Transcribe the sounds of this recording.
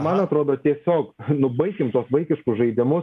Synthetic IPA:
mɐnɐt̪ɾoːd̪oːt̪ʲiɛsʲoːknʊbɐɪkʲɪmt̪uɔsʋɐɪkʲɪʃkʊsʒɐɪd̪ʲɪmʊ

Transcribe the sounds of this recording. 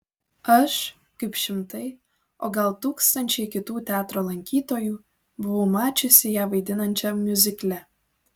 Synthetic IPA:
ɐʃ | kəɪpʃʲɪmt̪əj | oɡɑlˠt̪ukst̪ɐnʲt͡ʃejkʲɪt̪uːt̪ʲɑt̪rolˠɐŋʲkʲit̪oju | buβomɑt͡ʃʊsʲɪjæʋɐjd̪ʲɪnɐnʲt͡ʃɛmʲjuzʲɪklʲæ

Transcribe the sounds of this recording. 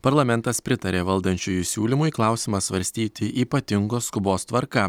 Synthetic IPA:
pɐɾlˠɐmʲɛnt̪ɐspʲɾʲɪt̪ɐɾʲeːʋɐlˠd̪ɐnʲt͡ʃʲuːjuːsʲuːlʲimʊiklˠɑˑʊsʲɪmɐsʋɐɾʲsʲt̪ʲiːt̪ʲɪʔiːpɐt̪ʲɪŋɡoːskʊboːst̪ʋɐɾkɐ

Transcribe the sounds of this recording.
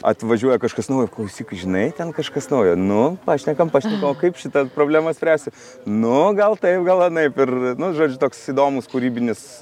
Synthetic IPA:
ɐ̰t̪ʋɐʒʲuɔjɛkɐʃkɐsnɐʊjoklˠɐʊsʲiːkɐɪʒʲɪnɐɪt̪ʲɛnkɐʃkɐsnɐʊjonʊpɑːʃʲnʲɛkɐmpɑːʃʲnʲɛkɐmokɐɪpʃʲɪt̪ɐpɾoːbʲlʲæːmɐsʲpʲɾʲæːsʲt̪ʲɪ | nʊɡɐlˠt̪ɐɪpɡɐlˠɐnɐɪpɪrnʊʒoːd͡ʒʲʊt̪oːksiːd̪oːmʊskuɾʲiːbʲɪnʲɪs

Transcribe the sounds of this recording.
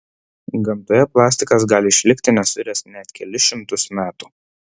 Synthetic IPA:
ɡɐmˑt̪oːjɛplˠɑːsʲt̪ʲɪkɐs̬ɡɑːlʲɪɪʃʲlʲɪkʲt̪ʲɪnʲɛsʊɪɾʲɛsnʲɛt̪kʲɛlʲɪʃʲɪmt̪ʊsmʲæːt̪uː

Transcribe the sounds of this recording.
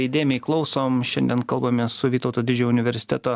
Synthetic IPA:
iɪd̪ʲeːjmʲɛɪklˠɒʊsoːmʃʲɛnd̪ʲiɛnkɐlˠbɐmʲeːssʊʋʲiːt̪ɔʊt̪oːd̪ʲɪd͡ʒʲʊnʲɪʋʲɛɾʲsʲɪt̪ʲɛæt̪oː

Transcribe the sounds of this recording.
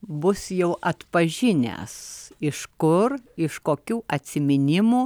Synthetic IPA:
bʊsjɛʊʔɐt̪pɐʒʲɪnʲɛ̰sɪʃkʊrɪʃkoːkʲuːʔɐt̪ʲsʲɪmʲɪnʲɪmuː

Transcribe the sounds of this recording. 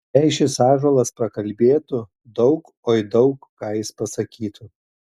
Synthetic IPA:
ɛɪʃʲɪsɑːʒolˠɐspɾɐkɐlʲbʲeːt̪ʊ | d̪ɒʊk | oːɪd̪ɒʊkkɑːjɪspɐsɐkʲiːt̪ʰʊ

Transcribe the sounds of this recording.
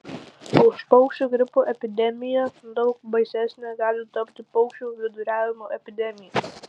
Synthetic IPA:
ʊʃpɐʊkʃʲt͡ʃʲuɡɾʲɪpuːʔɛpʲɪd̪ʲɛmʲɪjɛd̪ɒʊkbɐɪsʲæsʲnʲɛɡɑːlʲɪt̪ɐpʲt̪ʲɪpɐʊkʃʲuːʋʲɪd̪ʊɾʲæːʋʲɪmoːʔɛpʲɪd̪ʲɛmʲɪjɛ

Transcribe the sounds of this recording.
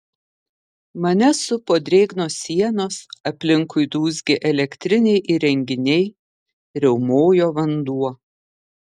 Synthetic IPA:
mɐnʲɛsʊpoːd̪ʲɾʲeːɡnoːsʲiɛnoːsɐpʲlʲɪŋkʊɪd̪uːzʲɡʲeʔɛlʲɛkʲt̪ʲɾʲɪnʲɛɪʔɪɾʲɛŋʲɡʲɪnʲɛɪ | ɾʲɛʊmoːjoːʋɐnd̪uɔ

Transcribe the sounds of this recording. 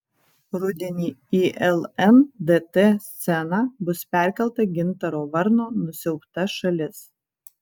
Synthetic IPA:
ɾʊd̪ʲɛnʲiːiːʔɛlˠɛnd̪eːt̪eːsʲt̪sʲɛnɑbʊspʲæˑɾʲkʲɛlˠˑt̪ɐɡʲɪnt̪ɐɾoːʋɐɾnoːnʊsʲɛʊpt̪ɐʃɐlʲɪs

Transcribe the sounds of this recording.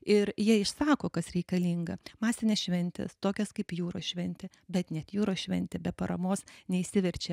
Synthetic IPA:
ɪɾjiɛɪʃsɑːkoːkɐsɾʲɛɪkɐlʲiŋɡɐmɑːsʲɪnʲeːsʃʲʋʲɛnʲt̪ʲɛ̰st̪oːkʲɛskɐɪpjuːɾoːsʃʲʋʲɛnʲt̪ʲɛː | bʲɛt̪nʲɛt̪juːɾoːʃʲʋʲɛ̰nʲt̪ʲɛːbʲɛpɐɾɐmoːsnʲɛɪsʲɪʋʲɛɾʲt͡ʃʲɛ

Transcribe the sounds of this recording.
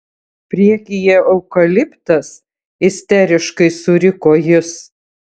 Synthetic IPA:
pʲɾʲiɛkʲɪjɛɐʊkɐlʲɪpt̪ɐs | ɪsʲt̪ʲɛɾʲɪʃkɐɪsʊɾʲɪkoːjɪs

